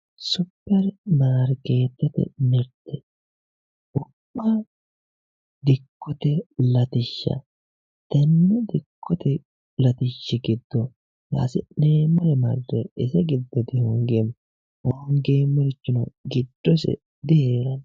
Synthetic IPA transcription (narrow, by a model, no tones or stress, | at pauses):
sʊpːɐɾmaːɾke̞ːt̪ːɛt̪ɛ̰mɛɾt̪ːɛ | ʊpːa | d̪ɪkːɔt̪ɛlɐt̪ɪʃːɐ̰ | t̪ɐnːɛd̪ɪkʰːɔt̪ɛ | lɐt̪ɪʃːɛɡɪd̪ːɔ | ja̰ːsɪ̰neːmɐɾɛmɐrːɛɪsɛɡɪd̪ːɔd̪ɪhʊŋɡɛm | wɔŋɡeːmɪɾɪt͡ʃːʊnɐɡɪd̪ːɔsɛ̰ | d̪ɪheːɾɐn